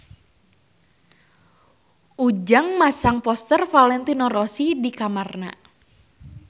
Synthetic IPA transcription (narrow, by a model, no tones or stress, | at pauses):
ʔud͡ʒaŋmasaŋpɔst̪ərfalɛnt̪inɔrɔsidikamarna̰